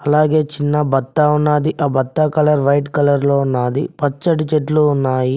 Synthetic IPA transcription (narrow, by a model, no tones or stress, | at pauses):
ɐlaːɡe̞ːt͡ʃinːɐbɐt̪ːaunːaːd̪iʔɐːbɐt̪ːakɐlɐɾʋɐjʈkɐlɐɾloːunːaːd̪ḭpɐt͡ʃːɐʈit͡ʃeʈluunːaːji